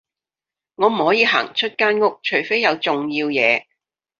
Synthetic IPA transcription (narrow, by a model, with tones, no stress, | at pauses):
ŋɔː˨˧m̩˨˩hɔː˨˥jiː˨˧ɦa̰ː˨˩ŋt͡ʃʰɵ˥t̚kaː˥nŋʊ˥k̚t͡ʃʰɵ˨˩ɥfe˥jːɐ˨˧wt͡sʊ˨ŋjiː˧wjɛ̰ː˨˧